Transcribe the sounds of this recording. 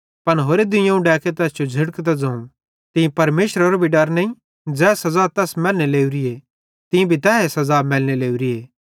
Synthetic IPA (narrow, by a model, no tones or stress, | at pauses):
pɐnɦoːɾed̪ʊ̃jãũɖɛːket̪ɛːsd͡ʒod͡ʒʱɪɽkt̪̬ad͡zɐ̃ũ | t̪ɪ̃ĩpɐɾmeːʃəɾoɾbʱiɖɐɾnɐ̃ĩ | d͡zɛːsɐzaːt̪ɛːsmɛːlneleːuɾie | t̪ɪ̃ĩbʱit̪ɛːɦesɐzaːmɛːlneleːuɾieː